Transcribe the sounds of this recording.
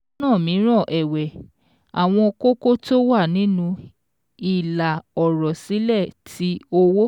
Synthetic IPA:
ãː˦˨mĩ˨˦ɾ̃ɔ̃˦˨ʔɛ˨wɛ˨ | a˨w̃ɔ̃˧ko˦ko˦to˦wa˦˨nĩ˨˦nũ˧ | i˨la˨ɔ˨ɾɔ˨si˨˦lɛ˦˨tʰi˨˦o˧wo˦

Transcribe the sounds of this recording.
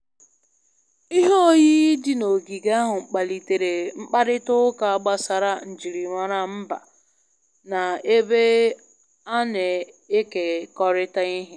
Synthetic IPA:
i˦ɦo˦o˦ji˦dɪ˨no˨ɡi˨ɡa˦ɦʊ˨ŋ͡m̩˨k͡pa˨li˨te˨ɾe˨ŋ͡m̩˦k͡pa˦ɾɪ˦tʊ˦ʊ˦ka˨a˨ɡ͡ba˦sa˨ɾa˦n̩˨d͡ʒi˨ɾi˨ŋʷa˨ɾa˨m̩˦ba̰˨ | na˨e˦be˦ | a˦ne˨ | e˦ke˨kɔ˦ɾɪ˦ta˦i˦ɦɪ˦

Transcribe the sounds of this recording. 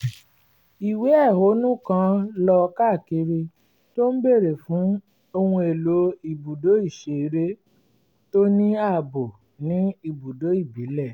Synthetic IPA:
i˨we˨˦ɛ˦˨ɦo˨˦nũ˦kã˦lɔ˧ka˦˨ki˧ɾe˧ | to˦n̩˦be˦˨ɾe˨fũ˨˦ | o˧hũ˧e˨lo˨˦i˧˨bu˨do˨˦i˦˨ʃe˨˦ɾe˦ | to˦nĩ˦a˦˨bo˨ | nĩ˨˦i˧˨bu˨do˨˦i˦˨bi˨˦lɛ˦˨

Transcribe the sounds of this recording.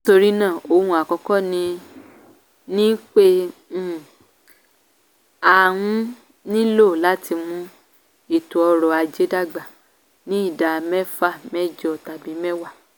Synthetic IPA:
n˦to˧ɾi˦nãː˦˨o˧hũ˧a˨kɔ˧kɔ˦nĩ˧ | nĩ˦k͡pe˦˨ | a˨w̃ũ˦ | nĩ˦lo˦˨la˨˦ti˧mũ˧ | i˦˨tu˨ɔ˧ɾɔ˨a˧d͡ʒe˨˦da˦˨ɡ͡ba˨ | nĩ˦i˦˨da˨mɛ˦fa˦˨mɛ˦d͡ʒɔ˧˨ta˨bĩ˨˦mɛ˦wa˦˨

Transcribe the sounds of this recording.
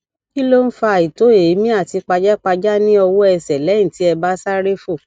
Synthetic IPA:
ki˦lo˦n̩˦fa˧˨i˨to˨˦e˨i˨˦mĩ˦a˦˨ti˧k͡pa˧d͡ʒa˦k͡pa˧d͡ʒa˦nĩ˦ɔ˧wo˦ɛ˧sɛ˨lɛ˨˦ĩ˦˨ti˨˦ɛ˧ba˦sa˦ɾe˦fo˦˨

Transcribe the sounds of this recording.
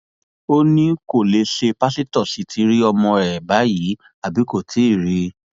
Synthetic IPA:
o˦nĩ˦ko˦˨le˧˦ʃe˧pa˦si˦tɔ˦˨si˨˦tʰi˨˧ɾi˦ɔ˧mɔ̃˧ɛ˨ba˨˦ji˨˦ | a˦˨bi˨˦ko˦˨tʰi˨˦i˦˨ɾi˧˦

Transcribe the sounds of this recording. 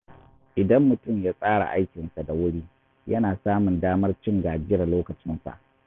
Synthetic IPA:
ʔɪ˨dɐ˦mːʊ˨tʊ˦˨mjaː˦sʼaː˦ɽa̰˨ʔa˦jkʲɪ˨nsa˨da˨wʊ˦ɽiː˦ | jɐ˦naː˨saː˦mʊ˨ndaː˦mɐ˦rt͡ʃɪ˦ŋɡaː˨d͡ʒɪ˦ɾa˨loː˦kɐ˨t͡ʃɪ˦nsa̰˨ʔ

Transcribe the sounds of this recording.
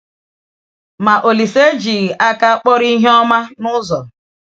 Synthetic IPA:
ma˨ʔo˨li˨se˦d͡ʒi˨ɣʔa˦ka˦k͡pɔ˦ɾi˦ɦe˦ɔ˦ma˦nʊ˦zɔ˨

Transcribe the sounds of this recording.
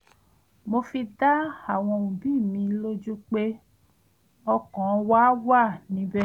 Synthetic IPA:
mo˧fi˧da˦a˦˨w̃ɔ̃˧˨ũ˨bi˦˨mĩ˧˦lo˦d͡ʒu˦k͡pe˦ | ɔ˧kɔ̃˨˧waː˦wa˦˨nĩ˨˦bɛ˦˨

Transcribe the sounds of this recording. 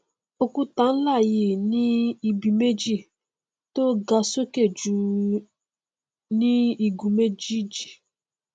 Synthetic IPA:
o˧ku˦tã˨˦n̩˦la˦˨ji˨nĩ˦i˨bi˨me˦d͡ʒi˦˨ | to˦ɡa˧so˦ke˦˨d͡ʒu˧ | nĩ˦i˨ɡu˨me˦d͡ʒi˦d͡ʒi˨

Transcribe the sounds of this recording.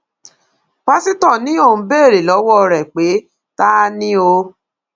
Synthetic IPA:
pa˦si˦tɔ̃˦˨nĩ˨˦o˦˨ũ˧˦beː˦˨ɾe˨lɔ˨˦wɔ˦˧ɾɛ˨k͡pe˨˦ | ta˦nĩ˦o˧

